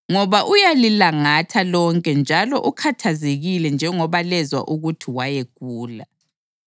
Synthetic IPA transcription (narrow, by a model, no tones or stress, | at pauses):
ŋɔβaʔujalilaŋatʰalɔŋkʼɛnd͡ʒʱalɔʔukʰatʰazeɣilɛnd͡ʒʱɛŋɔβalɛzwa̰ʔuɣutʰiwajeɣ̥̚ʼuːla̰